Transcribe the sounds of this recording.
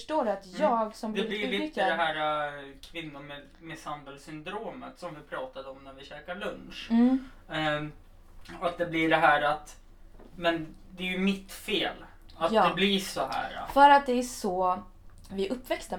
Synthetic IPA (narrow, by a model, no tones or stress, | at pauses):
ʂʈoːɖat̪jɑːɡsɔmbld̪ɛɪɪɪt̪əd̪ɛɦæːɾakʰvɪnːʊɾme | mɛsand̪əlsʏnd̪ɾoːmə̰t̪sɔmvɪpʰɾɑːt̪ad̪əɔmnæɾvɪɕɛːkaɭɵnʂ | ɔat̪̚d̪ɛblɪɖɛɦæːɾat̪ | mɛnd̪ɛæjɵmɪt̪feːl | at̪ːd̪ɛblɪʂɔɦæ̰ːɾafœɾat̪̚d̪ɛæʂɔ | vɪʔɵpːvɛkst̪a